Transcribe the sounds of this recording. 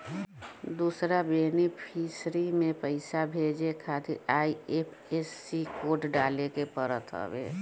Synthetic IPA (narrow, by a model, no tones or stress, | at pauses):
d̪uːsɾabenipʰiːsɾimẽpəɪsabʱeːd͡ʒekʰaːt̪iʔaːiepʰesːikoːʈɖaːlekepəɾət̪ɦə̰bḛː